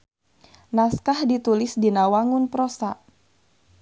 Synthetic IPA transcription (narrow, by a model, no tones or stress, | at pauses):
naskahdit̪ulɪsdinawaŋʊnpɾosaʔ